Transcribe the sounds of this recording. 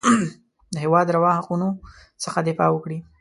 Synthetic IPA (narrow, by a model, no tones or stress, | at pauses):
d̪əɦɪwɑd̪ɾawɑhaquno | səxad̪ɪfɑwəkɽi